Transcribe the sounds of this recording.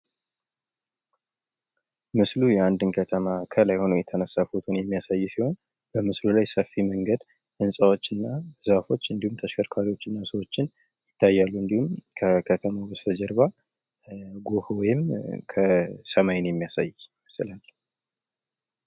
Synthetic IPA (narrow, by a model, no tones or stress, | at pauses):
mɨslujɛand̪ɨnkʰət̪ʰəmakʰəlajho̞nəjɛt̪ʰənəsːafot̪ʰunjɛmːijasajːsiho̞n | bəmɨslulajsəfːiməŋɡəd̪ | ʔɨnsʼawo̞t͡ʃːɨnːaɨzafo̞t͡ʃːɨnd̪ihumt̪ʰəʃkʰəɾkʰaɾiwo̞t͡ʃːɨnːasəwo̞t͡ʃːɪn | jɪt̪ːajːalːuɨnd̪ihumkʰəkʰət̪ʰəmabəsəd͡ʒɛɾβa | ɡohwɔjɪmkʰəsəmajnjɛmːijasajməsɨlal